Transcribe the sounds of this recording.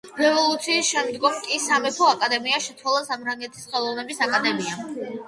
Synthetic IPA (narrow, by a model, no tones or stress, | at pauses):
ɾɛvɔlˠut̪sʰiːsʃɛmd̪ɡɔmkʼisamɛpʰɔakʼad̪ɛmiaʃɛt̪sʰwalˠasamɾaŋɡɛt̪ʰisχɛlˠɔvnɛbisakʼad̪ɛmia